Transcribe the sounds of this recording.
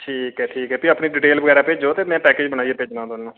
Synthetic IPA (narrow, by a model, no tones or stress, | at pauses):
ʈʰiːkɦɛːʈʰiːkɛːpiəpniːɖiʈeːlbəɡɛːɾaːpeːd͡ʒoːt̪eːmɛ̃ːpɛːkeːd͡ʒbənaːieːpeːd͡ʒnãːd̪ʊnnõː